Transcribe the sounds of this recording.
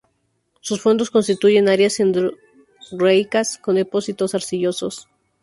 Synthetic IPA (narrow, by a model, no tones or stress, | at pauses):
susfo̞nd̪osko̞nst̪it̪uʝe̞naɾjasend̪ɾ | ɾejkasko̞nd̪epo̞sit̪o̞saɾsiʝo̞so̞s